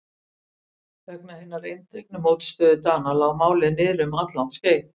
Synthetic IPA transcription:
vɛk̚nahɪnːaɾejnt̪ek̚nʏmowt̪st̪œːðʏt̪aːnalawmaːwlɪðnɪːðɾʏmat̪lant̪skeːjθ

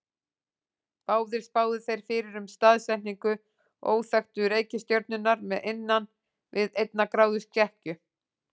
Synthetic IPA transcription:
paːwðɪɾ̥spaːwðɪθejɾ̥fɪːɾɪɾʏmst̪aːðsɛniŋkʏ | ʔo̰ːwθaxt̪ʏɾeːjcɪst̪joɾt̪nʏnaɾmɛðejnːan | vɪðejt̪̚nakɾaːwðʏscɛhcʏ

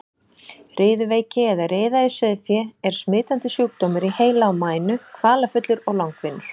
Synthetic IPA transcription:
rʔɪːðʏveːjcɪɛðareːðaɪsɛðɪfjɛɛɾ̥smɪːt̪ant̪ɪsjuːk̚t̪oːmɪɾiheːjlaawmaːjnʏkʰvaːlafʏt̪lʏɾɔɣlawŋkvɪnːʏɾ̥

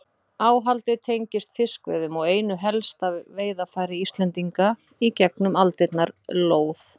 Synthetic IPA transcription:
aːwɦalt̪ɪt̪ʰejɲcɪst̪fɪskvɛ̰ðʏmɔɣeːjnʏɦɛlst̪avveːjðafaːjɾɪist̪lɛnt̪iŋka | icɛknʏmalt̪ɪt̪naɾloːwθ

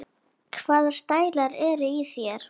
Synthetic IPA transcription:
kʰvaːðst̪aːjlaɾɛɾʏiθjɛɾ̥

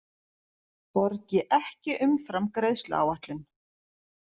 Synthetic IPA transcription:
pɔɾcɪʔɛhcɪʔʏmfɾamkɾejðst̪lʏ̰a̰waht̪lɪn

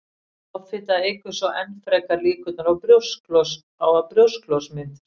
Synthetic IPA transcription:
ɔwfɪt̪aðɪhkvʏɾ̥svɔʔɛnfɾɛjkaliːkʏt̪naɾawpɾjowsklɔs | awapɾjowsklosmɪnt̪ɪ̥

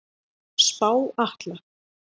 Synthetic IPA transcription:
spaːwaht̪la

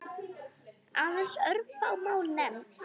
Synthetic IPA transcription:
anasœɾfaːwmawlnɛmt̪

